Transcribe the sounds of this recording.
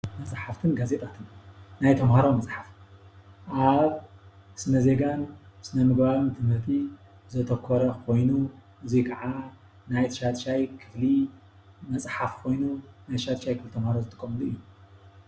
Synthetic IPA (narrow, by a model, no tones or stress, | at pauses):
mɐsʼħaft̪ʰɨnɡaze̞t̪ʼat̪ʰɨnnajt̪ʰɐmhaɾomɐsʼħaf | ʔaβʔɨsnɐze̞ɡanɨsnɐmɨɡbaβɨnt̪ʰɨmhɨɾt̪ʰi | zɨt̪ʰɐkʰːɔɾɐkʰo̞jnu | ʔɨzikʰɐʕa | najt̪ʃat̪ʃajkʰɨ̥fli | mɐt͡sʼħafkʰo̞jnunajt̪ʃat̪ʃajkʰɨflit̪ʰɐmhaɾozɨt̪ʼɨkʼːɐmɨluɨjːu